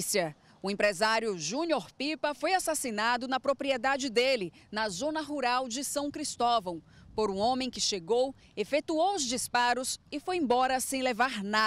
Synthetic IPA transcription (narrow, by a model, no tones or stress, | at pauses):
siɐ | ʊẽpɾezaɾjʊʒũnoɾpipɐfojasasinad̪ʊnɐpɾopɾied̪ad͡ʒɪd̪elɪnɐzõnɐɦuɾawd͡ʒɪsɐ̃w̃kɾist̪ɔvɐ̃w̃poɾũõmẽj̃kɪʃeɡow | efet̪uowʊzd͡ʒispaɾʊsɪfojẽbɔɾɐsẽj̃levaɾna